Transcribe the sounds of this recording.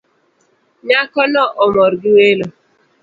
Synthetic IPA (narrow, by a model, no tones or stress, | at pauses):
ɲakɔnɔʔɔmɔɾɡiwelo